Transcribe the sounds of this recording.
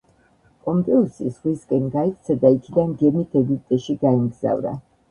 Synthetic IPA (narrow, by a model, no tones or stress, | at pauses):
pʼɔmpʼɛusizʁwiskʼɛnɡaik̚ʼt̪sʰɛd̪aikʰid̪anɡɛmit̪ʰɛɡip̚ʼt̪ʼɛʃiɡaimɡz̥a̰vɾa̰